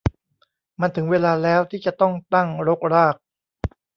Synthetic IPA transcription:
ma˧nt̪ʰɯ˩˦ŋweː˧laː˧lɛː˦˥wt̪ʰiː˥˩t͡ɕa˨˩t̪ɔ˥˩ŋt̪a˥˩ŋɾo˦˥k̚ɾaː˥˩k̚

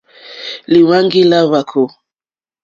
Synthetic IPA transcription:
li˨wa˦ŋɡi˦la˦βa˨kʰo˨

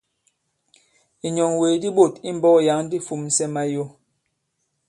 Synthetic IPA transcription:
i˨ɲɔ˨ŋwe˨di˦ɓo˦˨ti˦m̩˦bɔ˦ja˨˦ŋ˦di˦fu˨msɛ˦ma˦jo˦

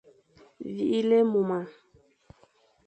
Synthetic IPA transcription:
vḭ˨ʔi˦le˦mu˨ma˨

